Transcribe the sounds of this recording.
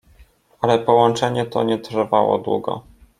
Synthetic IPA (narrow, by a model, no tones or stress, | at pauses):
alɛpɔwɔnt͡ʂɛɲɛt̪ɔ̰ɲɛt̪rvawɔ̰d̪wṵɡɔ̰